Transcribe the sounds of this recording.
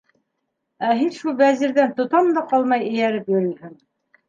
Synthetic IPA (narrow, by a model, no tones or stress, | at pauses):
æɦinʃulˠbæziɾðænt̪ŏt̪ɑmd̪ɑqɑlˠmɑjɘ̆jæɾɘpjɵ̆ɾɵ̆lhɘŋ